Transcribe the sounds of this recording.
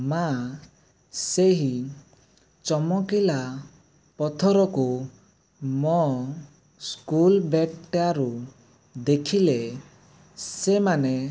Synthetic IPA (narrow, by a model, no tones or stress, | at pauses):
ma | seɦi | t͡ʃɔmɔkila | pɔt̪ʰɔɾɔku | mɔ | skulbeʈaɾu | d̪ekʰile | semane